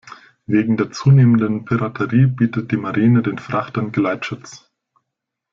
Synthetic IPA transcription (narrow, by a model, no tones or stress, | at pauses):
veːɡŋ̩deːɐt͡suːneːməndənpʰiʁatʰəʁiːbiːtət̚d̥iːmaʁiːnədeːnfʁ̥aχtənɡəlaɪtʃʊt͡s